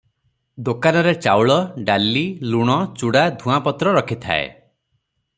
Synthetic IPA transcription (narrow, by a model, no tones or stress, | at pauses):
d̪okanɔɾet͡ʃawɭɔɖalːiluɽ̃ɔt͡ʃuɽad̪ʱũapɔt̪ɾɔɾɔkʰit̪ʰa̰ḛ